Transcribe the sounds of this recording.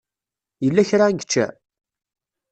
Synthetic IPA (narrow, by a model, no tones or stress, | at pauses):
jəlːæçɾanɡət͡ʃːæ̰